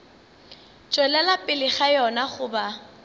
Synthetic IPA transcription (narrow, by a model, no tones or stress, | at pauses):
t͡ʃʼwɛlɛlapʼɪlɪχajɔnaχʊba